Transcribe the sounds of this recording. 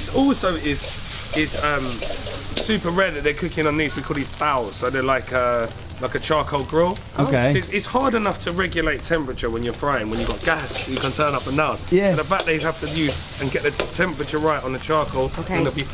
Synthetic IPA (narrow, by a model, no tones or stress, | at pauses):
sɔˑlˠsəʊɪz̥ | ɪz̥ʌ̃m | sʉˑpəɹɛd̪̚ðəʔðəkʰʊkɪ̃ŋə̃nðiːzwikʰɔːlˠizb̥aʊ̥səʊðəlaɪkʰə | laɪkət͡ʃʰɑːˑkʰəʊlˠɡɹʊlˠ | oʊkeʊɪtsɪtshɑːdɪnʌftʰəɹɛɡjəleɪtʰɛ̃mpɹət͡ʃəwə̃njəfɹaɪɪ̃ŋwə̃njəɡɒʔ̚ɡ̥asjəkʰə̃ntʰɜːnʌpə̃nːãʊ̃njæənəbaʔ̚ðeɪhaftəjʉːz | ə̃nɡɛʔðətʰɛ̃mpɹət͡ʃəɹaɪtn̩ðət͡ʃʰɑˑɹkʰoʊlˠoə̃nɡəvjə